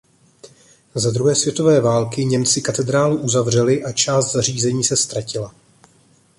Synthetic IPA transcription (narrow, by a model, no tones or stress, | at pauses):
zad̪ɾuɦɛːsvjɛt̪o̞vɛːvaːlkɪɲɛmt͡sɪkat̪ɛd̪ɾaːluʔuzavr̝ɛlɪʔat͡ʃaːst̪z̥ar̝iːzɛɲiːsɛst̪ɾacɪla